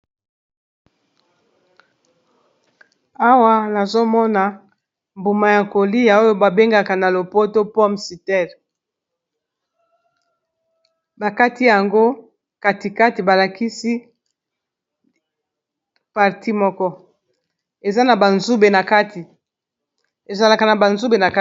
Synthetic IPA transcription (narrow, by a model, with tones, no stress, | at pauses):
a˦wa˦na˨zo˦mɔ˦na˨ | mbu˨ma˨ja˨ko˨li˦ja˨o˦jo˦ba˨be˦ŋɡa˨ka˨na˨lo˨po˦to˦pɔ˦msi˨tɛ˦˨l | ba˨ka˦ti˦ja˨ŋɡo˦ | ka˦ti˨ka˦ti˨ba˨la˨ki˦si˦ | pa˨ʁti˦mɔ˦kɔ˦ | e˨za˦na˨ba˨nzu˦be˨na˨ka˦ti˨ | e˨za˨la˨ka˨na˨ba˨nzu˦be˨na˨ka˦